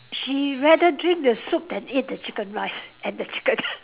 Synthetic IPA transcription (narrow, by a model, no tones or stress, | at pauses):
ʃiɹɛdədɹɪ̃ŋkdəsup̚dɛ̃nit̚dət͡ʃʰɪkə̃nɹaɪsɛ̃ndət͡ʃʰɪ̥kə̃n